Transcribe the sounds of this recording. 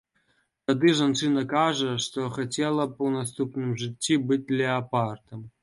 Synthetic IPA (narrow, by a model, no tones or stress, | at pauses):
t̪ad̪ɨʐant͡ʂɨnɐkaʐɐʂt̪ɔxat͡sʲɛlˠɐpɐwnast̪upnɨmʐɨt͡sʲːibɨt͡s̚ʲd̪lʲɛapart̪ɐm